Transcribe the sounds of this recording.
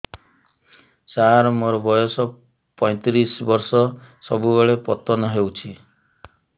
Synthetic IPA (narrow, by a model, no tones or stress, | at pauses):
t͡ʃaɾmoɾɔbɔjɔsɔ | pɔ̃j̃t̪ɾisbɔɾsɔsɔbubeɭepɔt̪ɔnɔɦewt͡ʃʰi